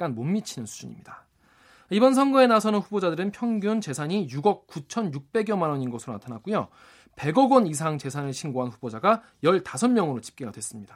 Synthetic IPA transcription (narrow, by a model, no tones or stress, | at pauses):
k͈anmomːit͡ɕʰinɯnsʰu̥d͡ʑuɲḭmɲida | ibʌns̬ʰʌnɡʌe̞nasʰʌnɯnɸubod͡ʑadɯɾɯnpʰjʌŋɡjunt͡ɕe̞sʰaɲijuɡʌk̚k͈ut͡ɕʰʌnjuk̚p͈e̞ɡjʌmanʌɲinɡʌsʰɯɾonatʰanak͈̚ujo | pe̞ɡʌɡwʌnis̬ʰaŋt͡ɕe̞sʰanɯɭɕʰinɡoɦanɸubod͡ʑaɡa | jʌɭtasʰʌnmjʌŋɯɾot͡ɕi̥p̚k͈eɡa̰dwe̞s͈ɯmɲida